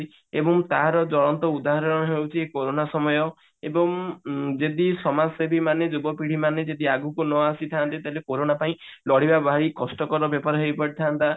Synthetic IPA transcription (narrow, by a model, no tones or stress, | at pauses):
ebɔŋt̪aɦɾɔd͡ʒɔɭɔnt̪ɔud̪aɦaɾɔɔnɔɦewt͡ʃʰiekoɾonasɔmɔjɔ | ebɔŋd͡ʒed̪isɔmasebʱimaned͡ʒubɔpiɽ̤imaned͡ʒed̪iaɡukunɔasit̪ʰant̪it̪aɦlekoɾonapaĩ | lɔɽ̤ibabʱaɽikɔsʈɔkɔɾɔbjɔpɔɾɔɦejpɔɽit̪ʰant̪a